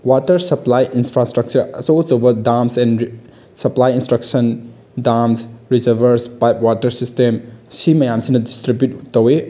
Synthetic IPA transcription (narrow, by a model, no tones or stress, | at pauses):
watɐɾsɐplajʔinsfɾastɾɐk̚t͡ʃɐɾɐsosowbɐdamsɛn | sɐplajinstɾɐk̚sɐn | damsɾizɐɾbʱɐɾspajp̚watɐɾsistemsimɐjamsinɐdistɾibjut̚tːɐwe